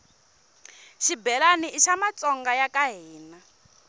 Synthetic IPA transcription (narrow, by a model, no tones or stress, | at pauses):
ʃibɛlaniiʃamat͡sʼɔŋɡajakaɦiːna